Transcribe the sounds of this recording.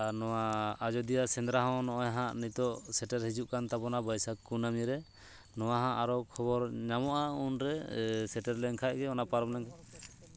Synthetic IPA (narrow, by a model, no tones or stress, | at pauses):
anɔwaːd͡ʒɔd̪ijasɛnd̪ɾaɦɔ̃wnɔʔɔjɦãʔnit̪ɔʔsɛʈɛɾɦid͡ʒuʔkant̪abɔnabajsakunamiɾɛ | nɔwaɦãʔaɾɔkʰɔβɔɾɲamɔʔaunɾɛsɛʈɛɾlɛŋkʰaʔ̚ɡɛɔnapaɾɔmlɛŋkʰa